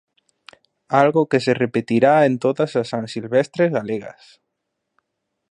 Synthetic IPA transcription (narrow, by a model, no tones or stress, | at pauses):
alɣokeserepet̪iɾaent̪oðasasãnsilβest̪ɾezɣaleɣa̰s